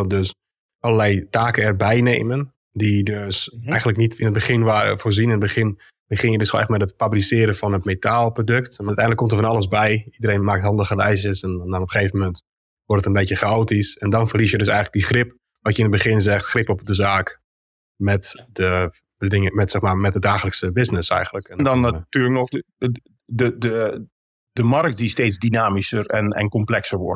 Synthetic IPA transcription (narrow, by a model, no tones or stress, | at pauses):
døs | ʔɔləlɛjtaːkəɛrbɛjneːmən | didøsɛjɣən̩ləknitɪnət̚bəχɪnʋaːə̰foːrzinɪnədbəχɪn | bəχɪnjədøsxoɛxmɛtətfabrisɪːəɾəfɔnətmetʰaːlˠprodøktmatɛ̰jndləkɔmtərfɔnɑlˠəsbɛjidəɾeːnmaːktɦhɑndəχəlɛjsjəsɛnnɔnopəxeːvəmɛnt | ʋɔrtətənbeːtjəχaoːtisɛndɔnfərlis̬jədøs̬ɛjɣnlək̚diχrɪp | ʋɔtjəɪnəbəχɪnzɛxtxrɪpɔp̚dəzaːk | mɛtdə | dədɪŋəmɛtsɛxmaːmɛt̚dədaːχələksəbɪsnɪsɛ̰jɣən̩ləkɛndɔnatyːləknɔx | dədə | dəmark̚t̚disteːzdinaːmisərɛnɛ̰nkɔmplɛksərʋɔ̰rt